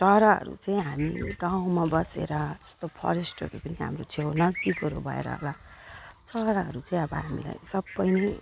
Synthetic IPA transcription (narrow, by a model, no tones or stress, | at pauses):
ʈʌɾaɦʌ̰ɾṵt͡saĩɦamiɡãw̃mabʌsḛɾʌd͡zʌ̥st̪opʰʌ̰ɾesʈʌ̰ɾupʌniɦa̰mrot͡sʰewnʌd͡zd̪ikʌɾobʱʌḛɾa̰ɦo̰la | t͡sʌɾaɦʌɾut͡saĩʌbʌɦamḭla̰jsʌbːʌjnʌj